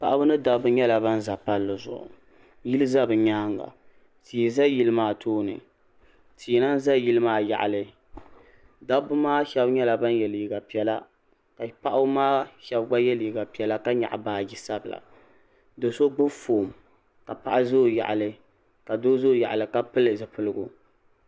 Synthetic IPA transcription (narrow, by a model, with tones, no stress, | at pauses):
pa˨ʔa˦bʊ˦nɨ˦da˦bʊ˦ɲɛ˦la˨ba˦n˦za˨pa˦lːɨ˨zʊ̰˨ʔʊ̰˨ | ji˦lɨ˦za˦bɨ˨ɲaː˦ŋɡa̰˨ | tʰi˨za˦ji˦lɨ˦maː˦tʰoː˦nɨ̰˨ | tʰi˨na˦n˦za˦ji˦lɨ˦maː˦ja̰˨ʔa̰˨lɨ˦ | da˦bʊ˦maː˦ʃɛ˦bɲɛ˦la˨ba˦njɛ˨liː˨ɡa˨pi˨ɛ˦la˦ | ka˨pa˦ʔa˦maː˦ʃɛ˦bɡ͡ba˦jɛ˦li˨ɡa˨pi˨˦ɛ˨la˦ka˦ɲa̰˨ʔa̰˨baː˨ɡi˦sa˦bɨ˨la̰˨ | do˨so˦ɡ͡bʊ˦foː˨m | ka˨pa̰˨ʔa˦zoː˦ja̰˨ʔa˨lɨ˦ | ka˨do˦zoː˦˨ja˨ʔa˨lɨ˨ka˦pɨ˦lɨ˨zɨ˨pɨ˦˨lɨ˦ɡʊ˨